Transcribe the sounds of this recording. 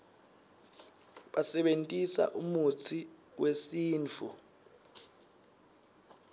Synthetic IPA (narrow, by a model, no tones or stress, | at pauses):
ɓasɛɓentʼisa̰ʔumut͡sʰi | wesiːnt͡fʰṵ